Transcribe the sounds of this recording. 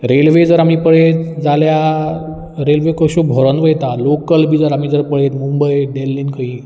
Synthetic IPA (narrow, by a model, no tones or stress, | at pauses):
ɾelʋed͡zəɾam̤iːpəɽet̪d͡zalja | ɾelʋekəɕobʱoɾənʋəjt̪alokəlbʱiːd͡zəɾam̤iːd͡zəɾpəɽet̪mumbəjɖelːinkʰəɦĩ